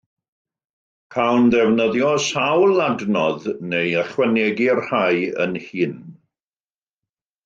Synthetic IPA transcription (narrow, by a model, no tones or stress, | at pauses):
kʰawnðɛvnəðjɔsawlˠadnɔðnejəχwɛnɛɡirhajə̰nhiːn